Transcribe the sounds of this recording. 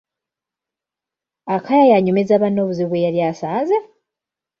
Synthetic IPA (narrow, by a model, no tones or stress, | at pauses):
akʰajajaɲumezaːβanːo̞ːβuziβwejaljaːsaːnze